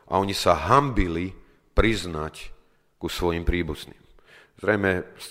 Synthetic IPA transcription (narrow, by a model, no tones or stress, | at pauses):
ʔa̰ɔɲisaɦambili | pɾiznac | kusʋɔjimpɾiːbuznḭːm | z̥ɾɛjmɛs